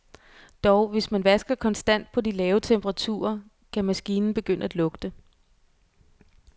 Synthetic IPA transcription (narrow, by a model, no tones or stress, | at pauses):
d̥ɒʊʋe̝smænʋæsɡ̥ɐkʰɒ̽nsd̥æn̰d̥̚pʰɒ̽dilɛːʊət͡sʰemb̥əʁɑ̈t͡sʰṵːɐ | kʰæmæsɡ̥iːnn̩b̥e̝ɡ̥øn̰əæd̥lɔ̽ɡ̥d̥ə